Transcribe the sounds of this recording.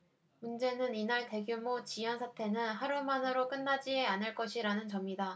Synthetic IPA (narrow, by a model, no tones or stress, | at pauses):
mund͡ʑe̞nɯninaɭte̞ɡjumot͡ɕijʌnsʰatʰe̞nɯnhaɾumanɯɾok͈ɯnːad͡ʑieanɯɭk͈ʌɕʰiɾanɯnt͡ɕʌmida